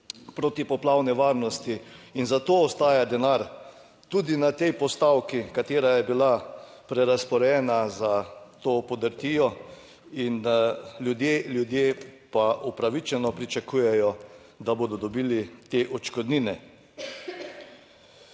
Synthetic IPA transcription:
pɾoːt̪ipɔplawnɛʋaːɾnɔst̪iinzat̪oːɔst̪aːjad̪ɛnaɾ | t̪uːd̪inat̪ɛjpɔst̪awkikat̪eːɾajɛbilapɾɛɾaspɔɾjɛːnazat̪oːpɔd̪əɾt̪iːɔ | inljud̪jeːljud̪jeːpaupɾaʋit͡ʃɛnɔpɾit͡ʃakuːjɛjɔ | d̪aboːd̪ɔd̪ɔbiːlit̪eːʔɔt͡ʃkɔd̪niːnɛ

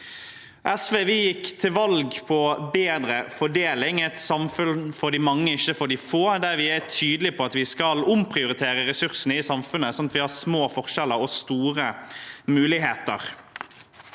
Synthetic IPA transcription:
ʔɛsʋeːʋɪːjɪkːt̪ʰɪlʋɑlɡpʰɔbeːd̪ɾəfɔɖeːlɪŋɛɪt̪sɑmfʉlfɔɖiːmɑŋːəɪçːəfɔɖiːfoːd̪æɾʋɪæt̪ʰyːd̪əlɪpʰɔɑt̪ʋɪskɑlʊmpʰɾɪʊɾɪt̪ʰeːɾəɾɛsʉʁsənəɪsɑmfʉnəsɔmɑt̪ʋɪhɑsmoːfɔʁʃɛləɾɔst̪uːɾəmʉːlɪɦeːt̪ə̰ʁ

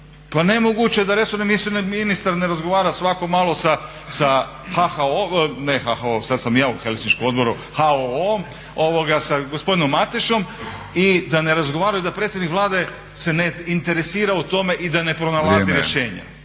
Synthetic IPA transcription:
panemoɡut͡ɕed̪aɾe̞soɾnemisoɾninist̪aɾne̞ɾazɡo̞ʋaːɾasʋako̞maːlˠo̞sa | sa | xaxaonexaxaosad̪samjaːuxelsint͡ʃkomo̞d̪bo̞ɾu | haoom | o̞ʋo̞ɡasaɡospo̞d̪ino̞mːat̪iʃo̞m | id̪ane̞ɾazɡoʋaːɾajoid̪apɾet̪sʲjd̪nikʋlˠaːd̪e̞ | se̞neint̪e̞ɾe̞siːɾaut̪o̞me̞ʔid̪ane̞pɾo̞nalˠaziɾjeʃe̞ːɲa̰

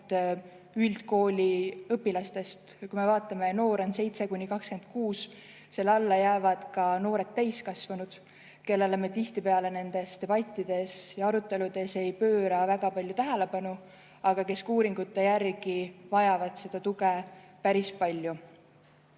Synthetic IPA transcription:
yld̪̥ko̞ːlʲiɤpːilɑst̪e̞st̪kujme̞vɑːt̪ːˑɑme̞no̞ːɾonse̞jt̪se̞kuɲnʲːikɑkske̞nd̪̥̚kuːs | se̞lːɑlːɑjæːvɑd̪̥kɑno̞ːɾe̞t̪ːæjskɑsvɑnud̪̥ | ke̞lːelemet̪iht̪ipe̞ɑle̞ne̞nd̪̥e̞st̪e̞b̥ɑt̪ʲːˑid̪̥e̞sjɑɑɾut̪ːˑe̞lud̪̥e̞se̞jpø̞ːɾɑvæɡ̥ɑpɑlʲjut̪æɦæle̞pɑnu | ɑɡ̥ɑke̞skuːɾiŋɡ̥ut̪ːˑe̞jærɡivɑjɑvɑd̪̥se̞d̪̥ɑt̪uɡepæɾispɑlʲju

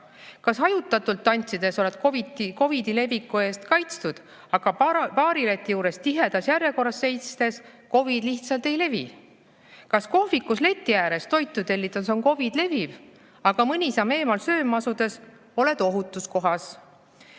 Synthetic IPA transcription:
kɑsɑjut̪ːˑɑt̪ːˑult̪ːɑnʲt̪sid̪̥e̞so̞le̞d̪̥koviiko̞vid̪ile̞vikːue̞ːst̪kɑjt̪st̪ud̪̥ | ɑɡ̥ɑpɑːɾilet̪ːˑijuːɾe̞st̪iɦe̞d̪̥ɑsjærjeko̞rːɑsːe̞jt̪st̪e̞s | ko̞vid̪̥liht̪sɑlt̪e̞jle̞vḭ | kɑsko̞fikːusle̞t̪ʲːijæːɾe̞st̪o̞jt̪ːˑut̪e̞lʲːit̪ˑɑso̞ŋko̞vid̪̥le̞viv̥ | ɑɡ̥ɑmɯnʲisɑme̞ːmɑlsø̞ːmɑsud̪̥e̞s | o̞le̞d̪o̞ɦut̪ːˑusko̞ɦɑs

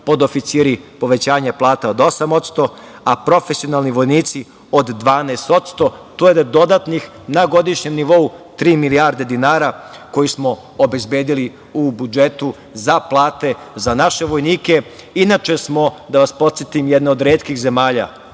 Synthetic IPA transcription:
po̞d̪ofit̪siːɾipo̞ʋe̞t͡ɕaːɲeplˠaːt̪ao̞d̪o̞samo̞t̪st̪o̞apɾo̞fesio̞nalˠniʋo̞jniːt̪si | od̪ːʋaːneːst̪o̞t̪st̪o̞t̪ojed̪d̪o̞d̪at̪nix | naɡo̞d̪iʃɲe̞mniʋo̞ut̪ɾiːmiliaɾd̪e̞d̪inaːɾako̞jismo̞ | obe̞zbjeːd̪ili | ubud͡ʒe̞t̪u | zaplˠaːt̪e̞ | zanaʃe̞ʋo̞jniːke̞ | inat͡ʃe̞smo̞d̪aʋaspo̞t̪sjet̪imjed̪neo̞d̪ɾeːt̪kixze̞maːʎa̰

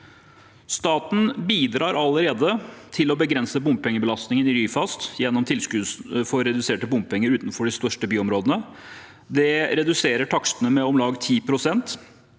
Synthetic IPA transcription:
st̪ɑːt̪n̩biːd̪ɾɑːɾɑləɾeːd̪ət̪ʰɪlɔbəɡɾɛnsəbʊmb̚pʰɛŋːəbəlɑst̪nɪŋənɪɾyːfɑst̪jɛnːɔmt̪ʰɪlskʉːfɔɾɛd̪ʉseːʈəbʊmb̚pʰɛŋːəɾʉːt̪n̩fɔɖɪst̪œʂʈəbyːɔmɾoːd̪ənə | d̪ɛɾɛd̪ʉseːɾəʈʰɑksənəmɛɔmlɑːɡt̪ʰiːpʰɾʊsɛnt̪

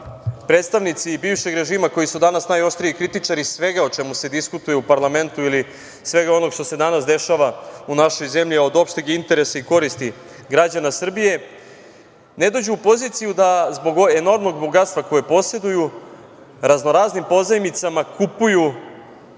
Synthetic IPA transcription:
pɾe̞t̪st̪aʋnit̪sibiːʋʃe̞ɡɾe̞ʒiːmako̞jisud̪anasnajo̞ʃt̪ɾiikɾit̪it͡ʂaɾisʋe̞ɡao̞t͡ʃe̞muse̞d̪iskut̪ujeupaɾlˠame̞nt̪uili | sʋe̞ɡao̞no̞ɡʃt̪o̞se̞d̪anasd̪e̞ʃaʋaunaʃo̞jze̞mʎiao̞d̪o̞pʃt̪eɡaint̪e̞ɾe̞saiko̞ɾist̪i | ɡɾad͡ʑanasr̩bije̞ | ne̞d̪o̞d͡ʑuːpo̞zit̪sijud̪azbo̞ɡeno̞ɾmno̞ɡbo̞ɡat̪st̪ʋako̞jepo̞sje̞d̪uju | ɾazno̞ɾaːznimpo̞zajmit̪samakupuju

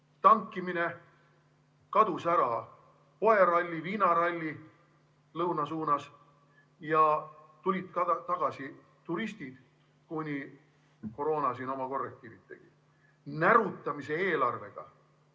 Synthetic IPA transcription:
t̪ɑŋkːˑimine̞ | kɑd̪̥usæɾɑ | po̞e̞ɾɑlʲːiviːnɑɾɑlʲːi | lɤwnɑsuːnɑs | jɑ | t̪ulʲid̪kɑɑt̪ɑɡ̥ɑsi | t̪uɾisʲt̪id̪̥ | kunʲi | ko̞ɾo̞ːnɑsino̞mɑko̞rːek̚t̪iːɾit̪ːˑe̞̰ɡ̥i | næɾut̪ːˑɑmise̞eːlɑrve̞̰ɡ̥ɑ̰

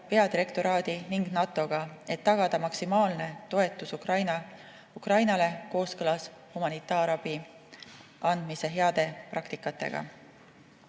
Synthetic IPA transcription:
pe̞ɑd̪iɾe̞kt̪o̞ɾɑːd̪̥iniŋɡnɑt̪ːˑo̞ɡ̥ɑe̞t̪ːɑɡ̥ɑd̪̥ɑmɑksimɑːlne̞t̪o̞e̞t̪ːˑusukrɑjnɑ | ukrɑjnɑle̞ko̞ːskɤlɑs | humɑnit̪ːˑɑːɾɑb̥i | ɑnd̪̥mise̞ɦe̞ɑd̪̥e̞prɑkt̪ikːˑɑt̪ːˑe̞̰ɡ̥ɑ̰

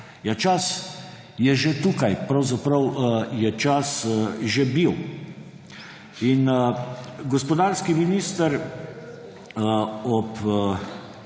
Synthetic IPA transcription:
jat͡ʃas | jɛʒet̪ukajpɾawzapɾəwjɛt͡ʃasʒebiw | in | ɡɔspɔd̪aːɾskiminist̪əɾ | ɔp

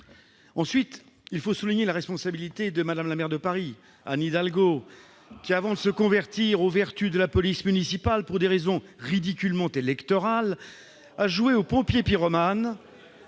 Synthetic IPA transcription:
ɑ̃sɥit̪ | ilfosuliɲelaʁɛspɔ̃sabilit̪ed̪əmad̪amlamɛʁd̪əpaʁi | a̰nid̪alɡo | kʲiavɑ̃d̪əsəkɔ̃vɛʁt̪iʁovɛʁt̪yd̪əlapɔlismynisipalpuʁd̪eʁezɔ̃ʁid̪ikʲylmɑ̃t̪elɛkt̪ɔʁal | aʒueopɔ̃pjepiʁɔman

